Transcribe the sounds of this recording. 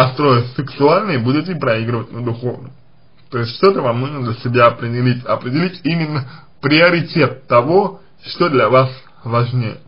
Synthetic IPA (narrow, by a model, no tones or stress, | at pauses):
ɐst̪ɾo̞jəsʲɨksʊalʲnɨjbudʲɪtʲɪpɾɐiɡɾɨvət̚ʲnəd̪ʊxo̞vnə̰m | t̪o̞ɪsʲtʲʂt̪o̞t̪əvɐmnoɡəmd̪lʲəsʲɪbʲaɐpɾʲɪdʲɪlʲitʲɐpɾʲɪdʲɪlʲitʲimʲɪnːə | pɾʲɪɐɾʲɪtʲe̞t̪ːɐvo | ʂt̪od̪lʲɐvas | vaʐnʲejə